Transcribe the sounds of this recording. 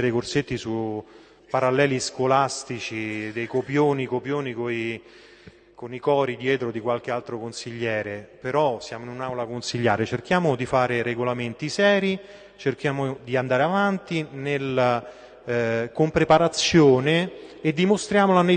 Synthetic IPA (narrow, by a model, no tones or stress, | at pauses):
ɾejkorset̪ːisu | paɾalːɛːliskolast̪it͡ʃid̪ejkopjoːnikopjoːnikoi | konikɔːɾid̪jɛːt̪ɾod̪ikwalk̟ealt̪ɾokonsiʎːɛːɾepeɾɔsjaːmoinunawlakonsiʎːaːɾet͡ʃerk̟jaːmod̪ifaːɾeɾeɡolament̪isɛːɾi | t͡ʃerk̟jaːmod̪iand̪aːɾeavant̪inel | kompɾepaɾat̪sːjoːneːd̪ːimost̪ɾjaːmolane